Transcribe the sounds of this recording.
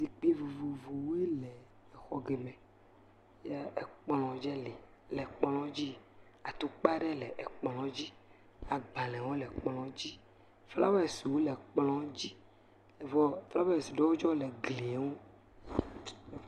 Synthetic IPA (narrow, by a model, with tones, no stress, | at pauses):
zi˨k͡pi˦vu˨vu˨vu˨wu˦e˦lɛ˨ | ɛ˨xɔ˨ɡe˨mɛ̃˨ | jɛ˦ɛ˨k͡plɔ̃˨d͡ʒɛ˦li˨ | lɛ˨k͡plɔ̃˦d͡ʑi˦ | a˨t̪o˦k͡pa˦ɖɛ˦lɛ˨ʔɛ˨k͡plɔ̃˨d͡ʑi˦ | a˨ɡ͡bã˨lɛ̃˨wo˦lɛ˨k͡plɔ̃˨d͡ʑi˦ | fla̰˦wɛ˦˨si˨wu˦lɛ˨k͡plɔ̃˨d͡ʑi˦ | ɛ˨vɔ˦fla˦be˦ɛ˨si˨ɖɔ˦wo˦d͡ʒɔ˦lɛ˨ɡle˨˦wo˦